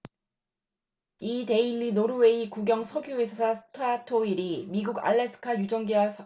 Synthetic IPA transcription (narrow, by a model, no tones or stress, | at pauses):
ite̞ilːinoɾuwe̞ikuɡjʌŋsʰʌɡjuwesʰasʰasʰɯ̥tʰatʰoiɾimiɡuɡa̰ɭːesʰɯ̥kʰajud͡ʑʌŋɡiwasʰ